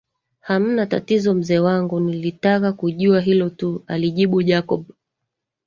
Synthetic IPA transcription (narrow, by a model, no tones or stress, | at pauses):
ham̩nata̰tizɔm̩zɛːwaŋɡunilitakakuʄuaɦilɔtualiʄiɓuʄakɔɓ